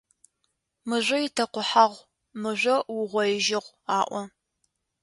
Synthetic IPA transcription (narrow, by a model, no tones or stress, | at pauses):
mɨʒʷɐjɪtʰɐqʷʊħaʁʷ | mɨʒʷɐwʊʁʷɔjɪʒɪʁʷ | aːʔʷɔ